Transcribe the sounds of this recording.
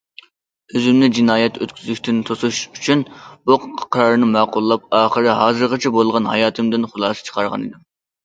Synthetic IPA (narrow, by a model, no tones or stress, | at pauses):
øzymnɪd͡ʒinɑːjɛt̪ʰøt̪kʲʰyzykʲt̪ɪnt̪ʰosuʃyt͡ʃʰynbuqqʰɑ̥qʰɾɑɾnɨmæːqʊlˠːɑp̚ɑːχəɾɦɑːzɨɾʁət͡ʃʰɛbolˠʁɑnɦɑ̰jɑːt̪ʰɨmd̪ɪnχʊlˠɑːsɨ̥t͡ʃʰə̥qʰɑɾʁɑ̰nḭd̪ɪm